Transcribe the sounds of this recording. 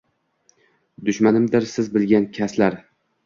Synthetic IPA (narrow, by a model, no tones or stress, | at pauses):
d̪ʊʃmanɪmd̪ɪɾsɪzbɪlɡʲankʲʰaslaɾ